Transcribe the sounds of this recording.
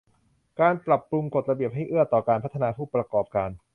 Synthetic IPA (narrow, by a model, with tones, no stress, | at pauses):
kaː˧npɾa˨˩pːɾu˧ŋko˨˩t̪̚ɾa˧bi˨˩əp̚ɦa˥˩jʔɯ˥˩ət̪ɔː˨˩kaː˧npʰt̪ʰːa˧naː˧pʰuː˥˩pɾa˧kɔː˨˩p̚kaː˧n